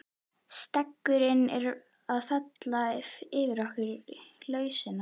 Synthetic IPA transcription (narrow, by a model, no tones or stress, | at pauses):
st̪ɛkːʏɾɪnɛɾ | aðθɛt̪lafɪːvɪɾahkɪɾlœːɥsɪna